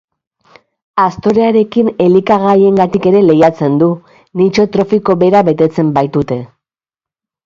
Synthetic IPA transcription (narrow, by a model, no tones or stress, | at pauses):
ast̪o̞ɾeaɾe̞kine̞likaɣaje̞ŋɡat̪ike̞ɾe̞le̞jat͡se̞nd̪u | nit͡ʃo̞t̪ɾo̞fiko̞βe̞ɾaβe̞t̪e̞t͡se̞mbajt̪ut̪e̞